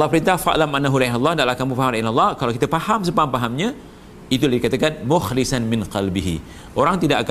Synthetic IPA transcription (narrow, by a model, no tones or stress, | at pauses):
lːɑhpəɾint̪ahfa̰ʔlamʔanːaɦulaɦalːɑhdaʔlahkamũfaɦamlanalːɑhkalawkit̪apahams̬əpaampaɦamɲã | it̪uladikat̪akanmʊxlisanmɪ̃nqalbiɦḭ | ʔoɾaŋt̪idaʔak